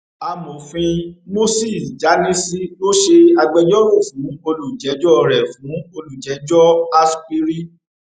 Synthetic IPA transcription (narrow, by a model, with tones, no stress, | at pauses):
a˧mõ˨fĩ˧mo˦si˦˨d͡ʒa˨˦nĩ˦si˦lo˦ʃe˧a˧ɡ͡bɛ˧jɔ˦wo˦˨fũ˨˦o˧lu˨d͡ʒɛ˨˦d͡ʒɔ˦˧ɾɛ˨fũ˨˦o˧lu˨d͡ʒɛ˨˦d͡ʒɔ˦a˦sk͡pi˦ɾi˦